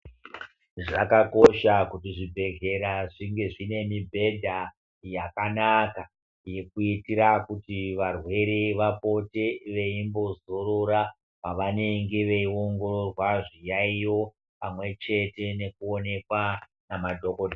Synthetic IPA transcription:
ʐakako̞ʃakutiʐibʱe̞ɡe̞ɾaʐiŋɡe̞ʐine̞mibʱe̞dʱa | jakanaka | je̞kuitiɾakutiʋarwe̞ɾeʋapo̞te̞ʋe̞imbo̞zo̞ɾo̞ɾa | paʋane̞ŋɡe̞ʋe̞io̞ŋɡororwaʐijaijo̞ | pamwe̞t͡ʃe̞te̞ne̞kuo̞ne̞kwa | namadʱo̞kode

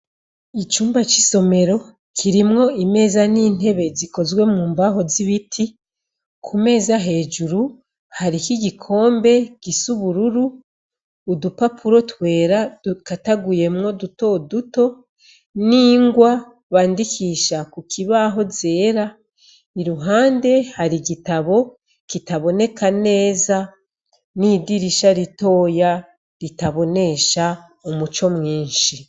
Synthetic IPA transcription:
it͡ʃuːmbat͡ʃiso̞me̞ɾo̞ | kʰiɾimŋo̞ime̞ːzaniːn̥he̞βe̞ziko̞zɡwe̞mŋuːmbaho̞ziβitʰi | kʰume̞ːzaɦe̞ːd͡ʒuɾu | haɾikiɡikʰo̞ːmbe̞ɡ̥isuβuɾuɾuː | dupapʰuɾo̞twe̞ːɾḁkataɡuje̞mŋo̞duto̞duto̞ | niːŋɡwa | βaːndikʰiʃakukʰiβaɦo̞ze̞ːɾa | iɾuɦaːnde̞haɾiɡitaβo̞ | kitaβo̞ne̞kane̞ːza | niːdiɾiʃaɾito̞ːja | ɾitaβo̞ne̞ʃa | omut͡ʃo̞mŋiːnʃi

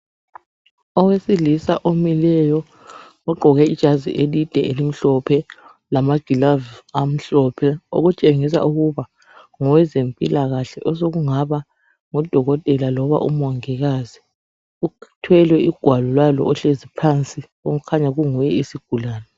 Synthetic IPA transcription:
ɔwesilisaʔomilɛjɔ | ɔɡ͡ǃʱɔɣɛid̥ʒ̥ʼʱazḭʔelid̥ʱɛelim̩ɬɔpʰɛ | lamaɡ̥ʱilavam̩ɬɔpʰɛo̰ɣut͡ʃʼeŋis̬a̰uɣuβa | ŋɔwɛzempʼilaɣaɬɛʔɔsoɣuŋaβa | ŋɔd̥ʱɔɣɔtʼɛlalɔβa̰ʔṵmwɔŋɛɣazi | utʰwɛlwɛʔiɡ̥ʱwalɔlwalɔ̰ɔɬezipʰant͡sʼi | oɣukʰaɲaɣuŋujɛisiɡ̥ʱulaːnɛ

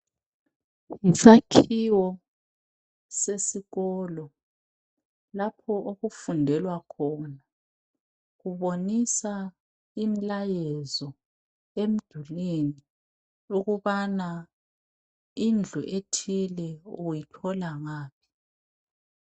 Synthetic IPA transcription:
ŋisakʰiwɔ | sesiɣɔːlɔ | lapʰɔʔoɣufundʱɛlwakʰɔːna | ɣuβonisa | im̩lajɛzɔ | em̩d̥ʱulini | uɣuβana | ind͡ɮʱuʔetʰilɛujitʰɔlaŋaːp̚ʰi̥

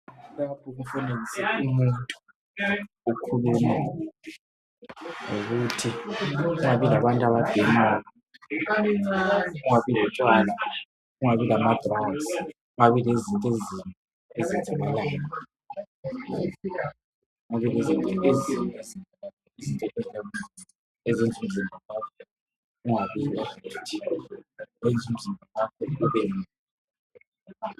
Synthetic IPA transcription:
lapʰuɣufunelzʱiumuntʼu̥ | ukʰuluma | ŋoɣutʰiuŋaβilaβantʼaβab̥ʱimaːjɔ | uŋaβilɛt͡ʃʼwaːla | uŋaβilamad̥ras | uŋaβilezintʼezinʼu | ezind͡zʱʼaβalaːnɔ | uŋaβilezintʼɛezinezimla | izintʼɛkizamuini | ezind͡zʱum̩zimbʱalakʰɔ | uŋaβilavtʰi | lend͡zʱum̩zimbʱalakʰɔuβenilɛ

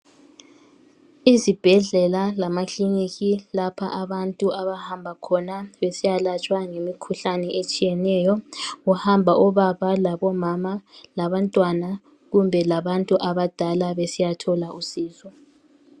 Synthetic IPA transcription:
izib̥ʱɛɮɛlalamakliniɣilapʰaʔaβantʼuʔaβahambʱakʰɔnaβesijalat͡ʃʼwaŋemikʰuɬanɛʔet͡ʃʼijɛnɛjɔuhambʱaʔɔβaβalaβɔmamalaβantʼwana | ɣumbʱɛlaβantʼuʔaβad̥ʱalaβesijatʰɔlausiːzɔ

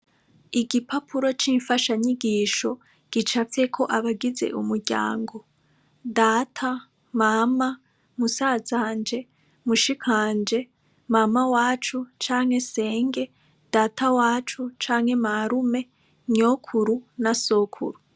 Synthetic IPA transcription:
iɡipʰapʰuɾo̞t͡ʃiːɱfaʃaɲiɡiːʃo̞ | ɡ̥it͡ʃafe̞kʰo̞ʔaβaɡize̞̰ʔumuɾɟa̰ːŋɡo̞ | daːtʰa | mama | musaːzaːnd͡ʒe̞ | muʃikʰaːnd͡ʒe̞ | mamawaːt͡ʃut͡ʃaːŋ̥he̞se̞ːŋɡe̞ | d̥aːtʰawaːt͡ʃut͡ʃaːŋhe̞maɾume̞ | ɲoːkʰuɾunaso̞kʰṵɾu

